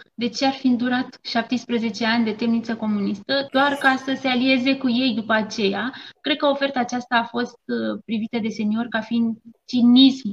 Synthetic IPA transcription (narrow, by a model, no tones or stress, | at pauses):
d̪e̞t͡ʃe̞arfind̪uɾat̪ʃap̚t̪espɾəze̞t͡ʃe̞anʲd̪e̞t̪e̞mnit̪səko̞munist̪əd̪oarkasəse̞alie̞ze̞kuje̞jd̪upəat͡ʃe̞jakɾe̞d̪̚kəo̞fe̞rt̪aːt͡ʃast̪aːfo̞st̪pɾivit̪əd̪e̞se̞nio̞rkafind̪t͡ʃinism